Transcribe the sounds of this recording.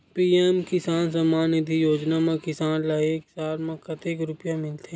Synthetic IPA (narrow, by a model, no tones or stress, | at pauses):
piːeːmkɪsaːnsɐmaːnɪd̪ʱijoːd͡ʒnamẽkɪsaːnlaeːksaːɾmɐ̃kɐt̪eːkɾʊpjamɪlt̪ʰẽ